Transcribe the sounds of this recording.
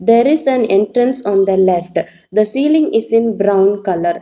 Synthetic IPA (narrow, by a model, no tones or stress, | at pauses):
d̪eːɾɪzæ̃nẽɳʈɾə̃nsɔ̃ːnd̪əlefʈ | d̪əsiːlĩŋɪzɪ̃nbɾãʊ̃nkʌləɾ